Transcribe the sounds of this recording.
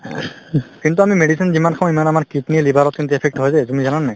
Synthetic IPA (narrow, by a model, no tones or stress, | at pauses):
kint̪̬uamimeɖisʰinzimankʰãw̃imanamaɹkitnilibʱaɹɔt̚kint̪̬uɛpʰɛk̚ʈɦɔjzɛzumizananːaj